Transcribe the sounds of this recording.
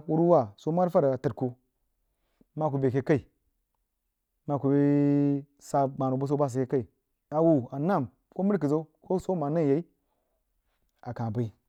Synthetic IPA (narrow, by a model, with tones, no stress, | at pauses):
wu˦ɾu˦wa˦˨so˦ma˦ɾfa˦ɾa˨tə˨ɾku˦ | ma˦k̬u˨be˨ke˦ka˦i˨ | ma˦ku˨be˦ | sa˨ba˨nu˨bu˦s̬o˦ba˦s̬i˨ke˦ka˦i˨ | a˨wu˨a˨na˦˨m | ko˦mi˦ɾk̬i˨zo˦u˦ko˦so˦ma˨na˦˨je˨˦i˦ | a˨kã˨bi˨˦